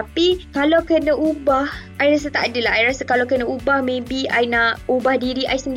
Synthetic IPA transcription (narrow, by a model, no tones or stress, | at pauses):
apikalawkənə̃ʔubahʔajɾas̬at̪aʔadəlaɦajɾasakalawkənə̃ubahmẽbiajnaʔubahdiɾiʔajsəndi